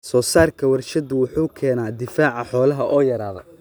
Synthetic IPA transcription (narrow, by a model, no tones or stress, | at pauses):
sɔːsaːrkʰɐwɐrʃɐðʊwʊħuːkʰɛːnaːd̪ɪfaːʕɑħɔːlɐɦɐʔɔːjɐɾaːðɐ̰